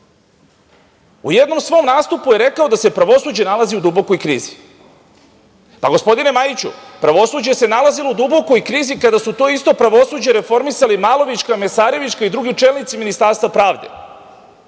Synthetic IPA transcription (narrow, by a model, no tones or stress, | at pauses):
ujed̪no̞msʋo̞ːmnaːst̪upuje̞ɾe̞kao̞d̪ase̞pɾaʋo̞suːd͡ʑe̞nalaziud̪ubo̞ko̞jkɾiːzi | paɡo̞spo̞d̪ine̞majit͡ɕṵpɾaʋo̞suːd͡ʑese̞nalazilo̞ud̪ubo̞ko̞jkɾiːzikad̪asut̪o̞ːist̪o̞pɾaʋo̞suːd͡ʑeɾe̞fo̞ɾmisalimaːlo̞ʋit͡ʃkame̞saːɾe̞ʋit͡ʃkaid̪ɾuɡit͡ʃelnit̪siminist̪aɾst̪vapɾaːʋd̪e̞̰